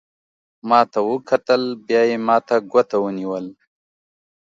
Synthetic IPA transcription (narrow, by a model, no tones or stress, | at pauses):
maːt̪awukʰɐt̪əlbjaːjemaːt̪aɡɐt̪awuniwəl